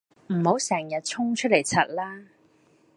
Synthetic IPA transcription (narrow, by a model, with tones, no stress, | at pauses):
m̩˨˩ho˨˥wsɛː˨˩ŋjɐ˨t̚t͡sʰʊ˥ŋt͡ʃʰɵ˥t̚le˨˩jt͡sʰɐ˨˩t̚laː˥